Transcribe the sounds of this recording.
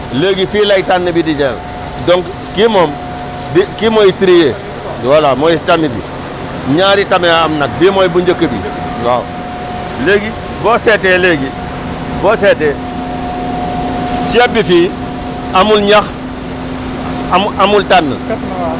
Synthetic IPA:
leːɡifilajtanːəbidid͡ʒel | doŋk | kimom | dikimoitiɾije | walamojitamibḭ | ɲaɾitameamnak̚bimojibuɲd͡ʒakəbḭ | wa̰ːw | leːɡi | boːseteleɡi | boːsete | t͡ʃiebifiː | amulɲax | amamultanːə̰

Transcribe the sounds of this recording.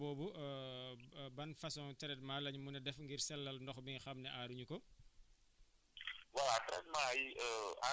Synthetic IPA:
bɔːbu | bɐnfɐsɔŋtɛɾɛt̚maːlɐɲmunɛdɛfŋɡirsɛlːɐlndɔxbiŋxɐmnɛʔaːɾuɲukɔ | waltɾɛ̰tmaja

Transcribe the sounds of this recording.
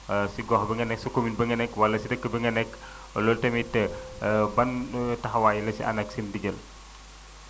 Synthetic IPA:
siɡɔhbəŋɡɐnɛksukominbəŋɡɐnɛkwɐlɐsidɐkːəbəŋɡɐnɛkː | lɔltɐmitəbɐntɐɦɐwaːjəlɐsḭʔɐ̰nɐksindiɡəl

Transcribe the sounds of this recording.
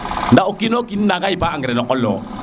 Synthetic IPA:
ndaokinokinnaɡaipaːŋɡɛɾɛnɔkʼɔlɔ

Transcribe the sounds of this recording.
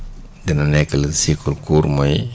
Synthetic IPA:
dɛnɐnɛkːɐlsikulkuːɾmɔj

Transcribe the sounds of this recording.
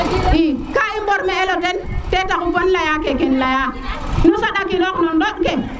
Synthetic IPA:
ikaimboɾmeelotentetakukonlajakekenlajanusaɗakiloknondoɗke

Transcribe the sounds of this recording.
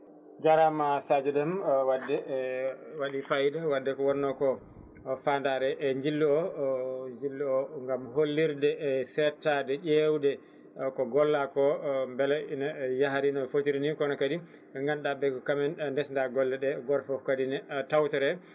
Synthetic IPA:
d͡ʒaɾamasad͡ʒɛdɛmwadɛ | waɗifajdawadːɛkɔwɔnːɔkɔ | fandaɾɛʔɲd͡ʒilːuɔ | ɲd͡ʒilːuɔŋɡamɦolːiɾdɛsɛtadɛʄewdɛ | kɔɡɔlːakɔmbɛlɛinajaɦaɾinɔfotiɾinikɔnɔkadi | ŋɡanɗabɛkɔkamɛndɛsndaɡɔlːɛɗɛɡɔɾfɔkadinɛtawtɛɾɛ

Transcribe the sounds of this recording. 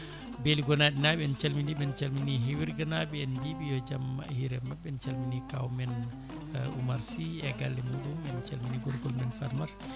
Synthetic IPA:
beliɡɔnaɗinaɓɛɛnt͡ʃalmindiɓɛnt͡ʃalminiɦiwiɾɡanabɛɛndiɓijɔd͡ʒamhiɾɛmaɓɛnt͡ʃalminikawmɛn | umaɾsiɛɡalːɛmuɗumɛnt͡ʃalminiɡɔɾɡɔlmɛnfaɾmaɾ

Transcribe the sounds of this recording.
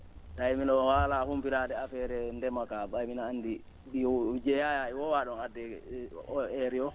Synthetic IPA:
taiminɔhalahumpiɾadɛafɛɾɛndɛmakaɓajminaːnːdi | ɗid͡ʒɛjajaiwɔwaɗɔnadɛɔɛɾiɔ

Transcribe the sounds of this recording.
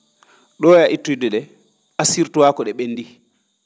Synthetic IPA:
ɗɔjaʔitːudɛɗɛ | asiɾtuwakɔɗɛɓenːdi

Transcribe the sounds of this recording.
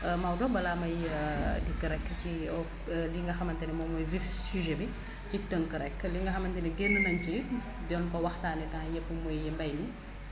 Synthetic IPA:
mawdɔnbɐlamɐjdikːəɾɛkːəciɔ | liŋɡɐxɐmɐntɛnɛmɔːmɔjvifsyʒɛbi | citəŋkəɾɛkːliŋɡɐxɐmɐntɛnɛɡenːunɐnci | dɔnkɔwɐxtaːnɛdɐŋjɛpːəmɔjjɛmbɐjni

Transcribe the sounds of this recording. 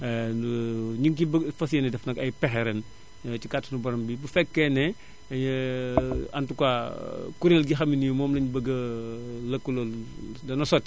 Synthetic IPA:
ɲiŋkibfɐsjɛnɛdɛfnɐkɐjpɛxɛɾɛn | t͡ʃikatːunubɐɾɔmbibufɛkːɛnɛ | ɐɲ | ɐntukwakuɾelɡixɐminujumɔːmlɐɲbəɡːɐlɐkːulɔldɐnɐsɔtː

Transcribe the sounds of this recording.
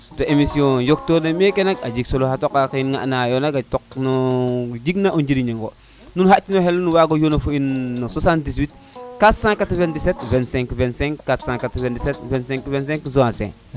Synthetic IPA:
toʔemisiõjok̚tonamekenakad͡ʒiksolohatokakinŋa̰najonaɡatok̚nod͡ʒiɡnaʔond͡ʒiɾiɲeŋɡo | nunhatinoɦelunuwaɡojonafoinːosasandis̬wit | katsãŋkatvendis̬etvensẽŋkivenseŋkatsãŋkatventisetvensẽŋkivens̬ẽŋkisoãsḛ̃ŋ

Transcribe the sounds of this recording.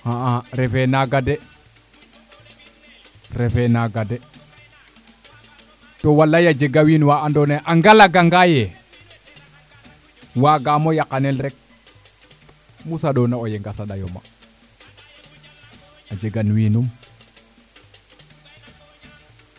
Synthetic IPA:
haaɾɛfɛnaɡadɛ | ɾɛfɛnaɡadɛ | towalːajad͡ʒeɡawiːnwaandɔneʔaŋɡalaɡaŋɡajɛ | waɡamojakanɛlɾɛk̚ | musaɗɔnaojeŋɡasaɗajo̰ma̰ | ad͡ʒeɡanwiːnum

